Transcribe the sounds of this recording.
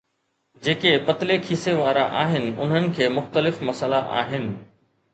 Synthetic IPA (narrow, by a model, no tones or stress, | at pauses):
d͡ʑeːkepɐt̪ɪlekʰiːseʋaːɾaʔaːɦɪnɪ̆ʊ̰n̤ənɪ̆kʰeːmʊxt̪əlɪfmɐsəlaʔa̰ːɦɪnɪ̆